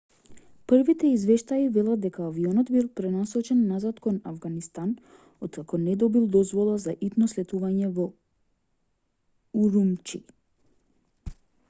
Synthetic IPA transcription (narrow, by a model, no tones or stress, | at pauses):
pr̩vit̪ɛizvɛʃt̪aivɛlˠad̪̚d̪ɛkaːviɔnɔd̪bilˠpɾɛnasɔt͡ʃɛnːazat̪kɔnavɡanist̪an | ɔt̪kakɔnɛd̪ɔbilˠd̪ɔzvɔlˠazaʔit̪nɔslɛt̪uvaɲɛvɔ | uɾumt͡ʃi